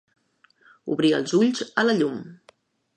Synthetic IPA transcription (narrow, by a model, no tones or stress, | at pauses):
ṵβɾiə̰lˠzuʎzələʎum